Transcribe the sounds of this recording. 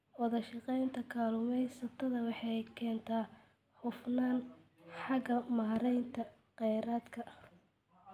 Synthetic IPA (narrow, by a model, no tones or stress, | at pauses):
wɔðɐʃɑqɛjnt̪ʰɐkʰaːlʊmɛjsɐt̪ʰɐðɐwɑħɑjkʰɛːnt̪ʰaː | ħʊfnaːn | ħɑɣɐmaːɾɛjnt̪ʰɐ | qɛjɾaːd̪kʰɐʔ